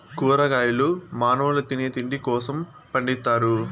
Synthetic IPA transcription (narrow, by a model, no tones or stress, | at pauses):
kuːɾɐɡaːjilumaːnɐːlɐt̪ineɐt̪iɳɖikɔːsɐm | pɐɳɖit̪ːaːɾu